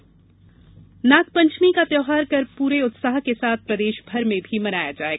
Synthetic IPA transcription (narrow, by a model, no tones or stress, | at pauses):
naːk̪̚pɐ̃ɲt͡ʃmikapjɔːɦaːɾkɐɾpuːɾeʊt̪saːɦkesaːt̪̚ʰpɾɐd̪eːʃbʱɐɾmẽbʱimɐnaːjad͡ʒaːeːɡa